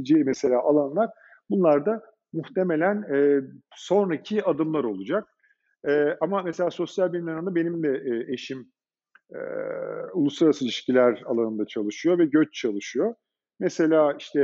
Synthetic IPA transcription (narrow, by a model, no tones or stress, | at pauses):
d͡ʒeimɛse̞lʲaːʔalˠanlˠaɾ̥ | bunlˠaɾd̪a | muxt̪ʰe̞me̞lʲænɛːso̞nɾacʰiad̪ɯmlˠaɾo̞lˠud͡ʒak̚ | ɛːamamese̞lʲaːso̞sjalʲbilʲimlʲaɾɯmnd̪abe̞nimd̪ɛeʃim | ɛ̰ulˠusˠaɾasɯlʲiʃcilʲæɾalˠanɯnd̪at͡ʃʰalˠɯʃɯjo̞vɛɟøt͡ʃt͡ʃʰalˠɯʃɯjo | mɛse̞lʲaːiʃt̪ʰɛ